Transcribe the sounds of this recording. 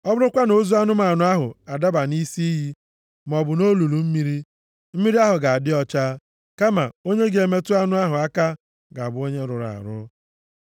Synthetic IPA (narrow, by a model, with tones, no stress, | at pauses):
ɔ˦bʊ˦ɾʊ˦kʷa˦no˨zu˦a˦nʊ˦ma˨nʊ˨˦a˦ɦʊ̰˨a˨da˦ba˨ni˦si˦ɦi˦ | m˨ɔ˨bʊ˨no˦lu˨lu˨m̩˦mi˦ɾi˦ | m̩˦mi˦ɾi˦a˦ɦʊ˨ɡa˨a˨dɪ˦ɔ˦t͡ʃa˦ | ka˦ma̰˨o˦ɲe˦ɡe˨me˦tʊ˦a˦nʊ˦a˦ɦʊ˨a˦ka˦ | ɡa˨bʊ˨o˦ɲe˦ɾʊ˨ɾa̰˨ɾʊ̰˦